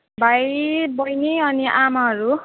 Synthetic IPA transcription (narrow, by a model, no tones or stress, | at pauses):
bʱajbʌjniʌniʔamaɦʌɾu